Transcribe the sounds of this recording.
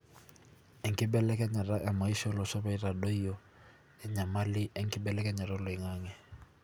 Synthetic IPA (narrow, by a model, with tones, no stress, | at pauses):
ɛ˨ŋ̩˦kʼɪ˦bɛ˦lɛ˦kɛ˦ɲa˨ra˦ʔa˨ma˨i˦ʃɔ˦lɔ˨sɔ˦βa˦i˨ra˨do˦i˦jɔ˦ | ɛ˨ɲa˨malɪ˦ɛ˦ŋ̩˦kʼɪ˦bɛ˦lɛ˦kʼɛ˦ɲa˨ɾɔ˦lɔ˨i˨ŋaː˦ŋɛ˨